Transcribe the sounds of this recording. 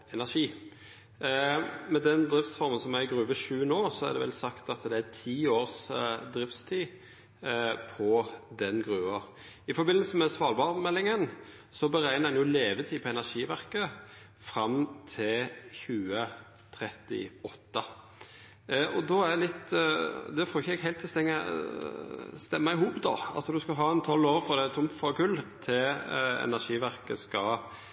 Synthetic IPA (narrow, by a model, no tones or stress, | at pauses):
ɛnæʂiː | mɛd̪ɛnd̪ɾɪft̪sfɔɾmənsɔmæɾɡɾʉːʋəʃʉːənoːsɔæʁd̪ɛ̰ʋɛ̰lsɑkt̪ɑt̪d̪ɛæt̪ʰiːoːʁsd̪ɾɪft̪st̪ʰiː | pʰɔd̪ɛnɡʁʉːʋə | ɪfɔbɪnːləsəmɛsʋɑːlbɑʁmɛlːɪŋən | sɔbəɾæɪnəɛnjʊleːʋət̪ʰiːpʰɔɛnæʂiːʋæʁkə | fɾɑmt̪ʰɪlçʉːə | t̪ʰɾɛt̪ɪ̰ɔt̪ːə | ɔd̪ɔæʁd̪ɛlɪt̪ːd̪ɛfoːɪçəɛɡɦæɪlt̪ʰːɪst̪ɛŋːə̰ | st̪ɛmːɑɪhuːpd̪ɔ̰ɑ̰t̪d̪ʉskɑɦɑːɛnt̪ʰɔlːoːɾfɔʁd̪ɛt̪ʰʊmfɔkʉlːt̪ʰɪlɛ̰næʂiːʋæɾkəskɑ